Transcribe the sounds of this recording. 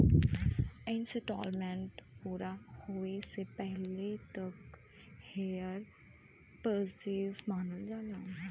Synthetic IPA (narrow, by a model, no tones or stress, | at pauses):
ɛ̃nseʈɔːlmɛ̃ːɳʈpuːɾahoːesepɛɦlet̪ɐk | heːjəɾ | pəɾsizmaːnəld͡ʒaːlaː